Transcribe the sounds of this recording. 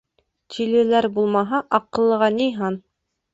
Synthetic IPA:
t̪ʲʰilɘ̆læɾbulˠmɑɦɑʔɑqːɤ̆lˠːɤ̆ʁɑnijɦɑn

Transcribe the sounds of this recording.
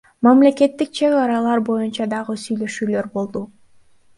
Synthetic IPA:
mamle̞ke̞t̪ːik̚t͡ʃʰe̞ɣɑɾɑlˠɑɾbo̞junt͡ʃɑd̪ɑʁɯsyjlø̞ʃyːlø̞ɾbo̞lˠd̪u

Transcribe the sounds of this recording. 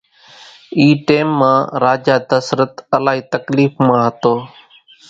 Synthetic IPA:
iːʈeːmːãːɾaːd͡ʒaːd̪əsɾət̪əlaːɦiːt̪əkliːfmãːɦət̪oː

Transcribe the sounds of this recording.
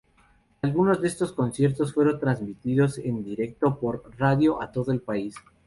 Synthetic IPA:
alɣuno̞zdee̞st̪o̞sko̞nsje̞ɾt̪osfwe̞ɾo̞nt̪ɾanzmit̪iðo̞se̞nd̪iɾe̞k̚t̪o̞po̞ɾraðjo̞ʔat̪o̞ðoe̞lpais

